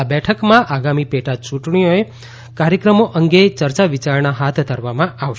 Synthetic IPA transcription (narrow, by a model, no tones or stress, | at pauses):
abɛʈʰəkmãʔaɡamipeʈat͡ʃũʈɳijoe | kaɾjəkɾəmoʔəŋɡet͡ʃəɾt͡ʃaʋit͡ʃaɾnaɦat̪ʰd̪ʱəɾʋamãʔaʋʃ